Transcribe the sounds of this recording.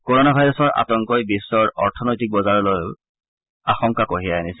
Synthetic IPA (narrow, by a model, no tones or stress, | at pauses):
koɹonabʱajɹɔsɔɹʔa̰tɔŋkɔjbisːɔɹɔɹtʰɔnɔjtik̚bɔzaɹɔloj | axɔŋkakoɦijajenis